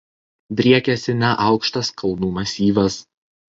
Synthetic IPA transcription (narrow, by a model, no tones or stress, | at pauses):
d̪ʲɾʲiɛkʲɛsʲɪnʲɛʔɑˑʊkʃt̪ɐskʰɐlˠnuːmɐsʲiːʋɐs